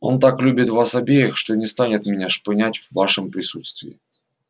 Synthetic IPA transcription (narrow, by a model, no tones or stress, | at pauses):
o̞nt̪aklʲubʲɪt̪vasabʲejɪxʂt̪onʲɪst̪anʲɪt̪mʲɪnʲaʂpɪnʲætʲvːaʂɨmpɾʲɪsut̪st̪vʲɪ̰ː